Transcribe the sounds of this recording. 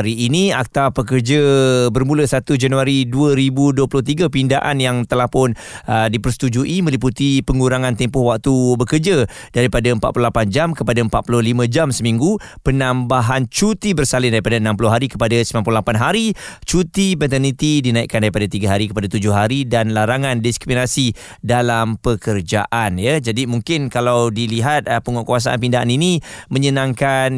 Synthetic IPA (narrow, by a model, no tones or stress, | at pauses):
ɾiːniak̚t̪apək̬ərd͡ʒəbərmũləsat̪ud͡ʒanuaɾiduəɾibuduəpulʊht̪iɡapindaʔa̰njaŋt̪əlahpʊn | ədipərsə̥t̪ud͡ʒuʔimə̃liput̪ipəŋuɾaŋãnt̪ɛmpʊhwak̚t̪ubəkərd͡ʒa | daɾipadaəmpa̰t̪pululapand͡ʒamkəpadaəmpat̪̚pulʊhlimə̃d͡ʒamsəmĩŋɡu | pənãmbaɦant͡ʃut̪ibərsalɪndaɾipadaənãmpulʊɦaɾikə̥padasəmamp̬ulolapanɦaɾit͡ʃut̪ibɛnt̪̬anĩt̪idinãḭʔkːandaɾipadat̪iɡaɦaɾikəpadat̪ud͡ʒʊhɦaɾidanlaɾaŋãndiskɾiminasi | dalampəkərd͡ʒaʔanjad͡ʒadimuŋkɪnkalawdiliɦat̪̚pəŋɔʔkuwas̬aʔa̰npindaa̰ninimə̃ɲənãŋkan